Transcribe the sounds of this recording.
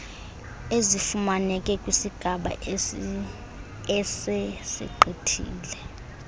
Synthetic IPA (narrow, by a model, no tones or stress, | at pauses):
ezifumanɛkʼɛkʼwisiɡ̥ʱaɓa̰ | ɛsɛsḭǃʱetʰḭːlɛ